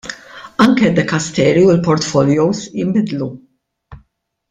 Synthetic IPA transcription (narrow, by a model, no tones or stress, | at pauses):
ɐŋkɛd̪ːɛkɐst̪ɛːɾiʊlpɔɾt̪fɔljowsjɪmbɪd̪lu